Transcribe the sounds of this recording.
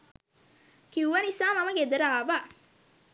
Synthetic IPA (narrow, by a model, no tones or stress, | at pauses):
kiuʋɐnisaːmɐmɐɡed̪ɐɾaːʋa